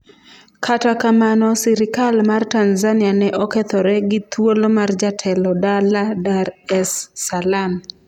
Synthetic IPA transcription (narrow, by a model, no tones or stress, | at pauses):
kʰatakamanɔsiɾɪkalmartanzanianɛʔɔkɛt̪ɔɾɛɡɪt̪wolomard͡ʒatʰɛlɔdaladarɛsːalam